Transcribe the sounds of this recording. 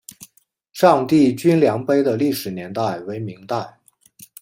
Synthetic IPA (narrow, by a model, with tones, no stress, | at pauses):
ʂɑ˥˧ŋt̪i˥˩t͡ɕy˥nljɑ˧˥ŋpe˥ɪd̪ə˨li˥˩ʂɻ̩˨˩njɛ˧˥nt̪a˥˩ɪwe˧˥ɪmi˧˥ŋt̪a˥˩ɪ